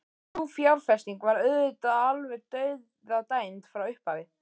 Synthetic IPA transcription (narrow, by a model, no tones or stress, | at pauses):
uːfjawɾfɛst̪iŋkvaɾœðʏt̪aalvɛɾt̪œɥð | ðat̪aːjnt̪fɾawʏhpaːvɪ